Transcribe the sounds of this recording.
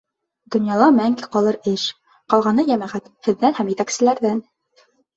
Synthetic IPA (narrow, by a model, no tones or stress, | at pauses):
d̪ŏnjɑlˠɑmæŋɡiqɑlˠɤɾɘʃ | qɑlˠʁɑnɤjæmæʁæt̪hɘ̆ðːænhæmjɘ̆t̪æksɘ̆læɾðæn